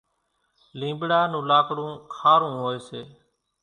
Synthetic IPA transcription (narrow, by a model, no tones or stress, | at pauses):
lĩːmbɽaːnũːlaːkɽũːkʰaːɾũːɦoːeːseː